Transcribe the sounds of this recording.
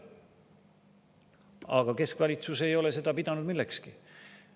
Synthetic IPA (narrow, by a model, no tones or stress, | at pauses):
ɑ̰ɡ̥ɑke̞skvɑlʲit̪suse̞jo̞le̞se̞d̪̥ɑpid̪̥ɑnud̪̥milːekski